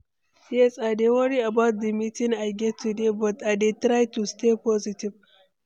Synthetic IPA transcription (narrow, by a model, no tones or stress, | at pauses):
siesʼadewɐɾiabawt̚d̪imitɪŋajɡʲɛtudebɔtadetɾajtustepɔzitɪb